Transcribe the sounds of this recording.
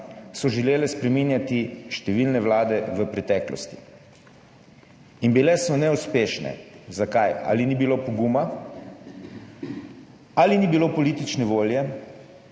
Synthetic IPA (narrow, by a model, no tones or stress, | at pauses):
sɔʒɛleːlɛspɾɛminjat̪iʃt̪ɛʋilnɛʋlaːd̪ɛʋəpɾɛt̪ɛːklɔ̰st̪i̥ | inbilɛsɔnɛuspeʃnɛ̰zakaja̰linibiloːpɔɡuma | alinibiloːpɔlit̪it͡ʃnɛʋoːljɛ